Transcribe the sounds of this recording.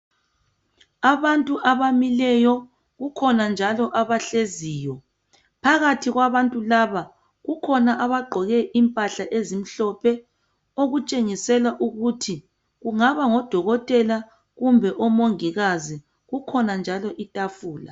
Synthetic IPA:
aβantʼuʔaβamilɛjɔ | ɣukʰɔnand͡ʒʱalɔʔaβaɬeziːjɔ | pʰaɣatʰiɣwaβantʼulaβa | ɣukʰɔnaʔaβaɡ͡ǃʱɔɣɛʔimpʼaɬaʔezim̩ɬɔpʰɛ | oɣut͡ʃʼeŋisɛlaʔuɣutʰi | ɣuŋaβaŋɔd̥ʱɔɣɔtʼɛla | ɣumbʱɛʔɔmoŋiɣazi | ɣukʰɔnand͡ʒʱalɔʔitʼafuːla

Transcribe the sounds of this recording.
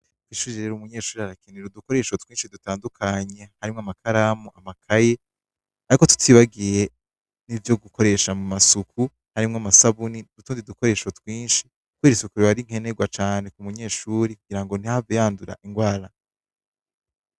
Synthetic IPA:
twiːʃuːɾid͡ʒeɾeɾumuɲe̞ːʃuːɾihaɾakeneɾuduko̞ɾe̞ʃotwiːnʃidutaːndukʰaɲe̞haɾimŋoamakʰaɾamuʔamakʰaje̞ | aɾiko̞tu̥twiːβaɡije̞ | nivjo̞ɡuko̞ɾe̞ʃamumasukʰu | haɾimŋoamasaβunidutuːndiduko̞ɾe̞ʃotwiːnʃi | k̚weːɾisukuɾiβaɾiŋ̥he̞neɡwat͡ʃaːne̞kumuɲe̞ːʃuːɾikuɡiɾaŋɡo̞n̥ihavejaːnduɾa̰ʔiŋɡwaːɾa

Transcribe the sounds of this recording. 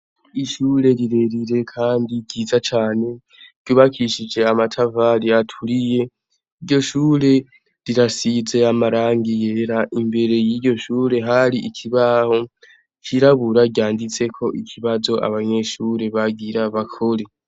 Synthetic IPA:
iʃuːɾe̞ɾiɾe̞ɾiɾe̞kʰaːndiɟizat͡ʃaːne̞̥ | ɟ̥uːβakʰiʃid͡ʒe̞amatʰavaɾiatʰuɾije̞ | iɾɟo̞ʃuːɾe̞ | ɾiɾasize̞amaɾaːŋɡijeɾaʔimbe̞ɾe̞jiɟo̞ʃuːɾe̞ɦaɾiʔikʰiβaho̞ | kʰiɾaβuɾaɟaːndit͡se̞kʰo̞ʔikʰiβazo̞ʔa̰βaɲe̞ʃuɾe̞βaɡiɾaβakʰo̞ɾe̞

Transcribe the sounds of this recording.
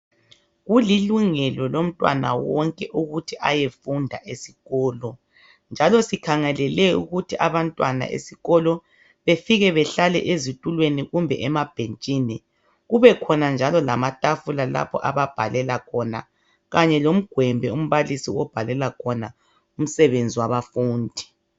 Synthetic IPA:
ɣuliluŋɛlɔlom̩tʼwa̰na̰wɔŋkʼɛʔuɣutʰiʔajefundʱa̰ʔesi̥ɣɔːlɔ | nd͡ʒʱalɔsikʰaŋɛlɛlɛṵɣutʰiʔaβantʼwana̰ʔḛsiɣɔlɔ | βefiɣɛβɛɬalɛ̰ʔezitʼulweniɣumbʱɛ̰ʔɛmab̥ʱent͡ʃʼini | ɣuβɛkʰɔnand͡ʒʱalɔlamatʼafulala̰pʰɔ̰ʔa̰βab̥ʱa̰lɛlakʰɔna̰ | ɣaɲɛlom̩ɡ̥ʱwɛmbʱɛum̩βalisiwɔb̥ʱalɛlakʰɔna | um̩sɛβend͡zʱiwaβafuːndʱi̥

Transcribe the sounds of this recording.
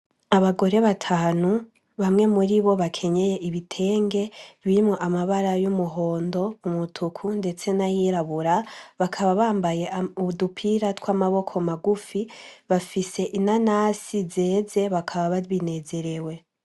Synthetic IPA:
aβaɡo̞ɾe̞βatʰaːnu | βamŋe̞muɾiβo̞βakʰe̞ɲe̞je̞ʔiβitʰe̞ːŋɡe̞βiimŋoʔamaβaɾajumuɦo̞ːndo̞umutʰukʰunde̞t͡se̞najiɾaβuɾaβakʰaβaβaːmbaje̞ʔuβudupʰiɾatkwaːmaβo̞kʰo̞maɡufiβafise̞ʔinanasizeːze̞βakʰaβaβaβine̞ze̞ɾe̞we̞

